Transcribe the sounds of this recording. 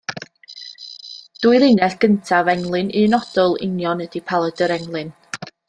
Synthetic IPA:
d̥uːɨjlˠenɛɬɡ̥əntʰavɛŋlˠɨnɨnɔd̥ɔlˠɪ̰njɔnədipʰalˠədəɾɛŋlˠɨn

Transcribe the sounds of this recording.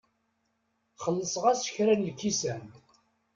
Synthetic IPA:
χəlːəsʁæsə̥çɾænlkːisæn

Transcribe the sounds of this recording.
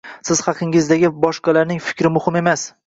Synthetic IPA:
sɪz̥hɑqʰɨŋɪzd̪aɡʲɪbɒʃqɑlaɾnɪŋfɪ̥kʲʰɾɪmʊhɪme̞mas

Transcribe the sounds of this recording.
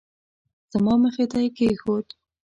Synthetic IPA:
z̥əmɑməxet̪ajkexot̪

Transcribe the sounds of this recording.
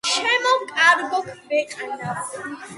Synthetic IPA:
ʃɛmɔkʼaɾbɔkʰɾɛqʼɛna

